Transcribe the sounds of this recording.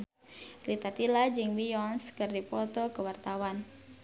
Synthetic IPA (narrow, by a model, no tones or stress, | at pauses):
lit̪at̪ilad͡ʒɨŋwijɔnskɨrdipɔt̪ɔkəwart̪awan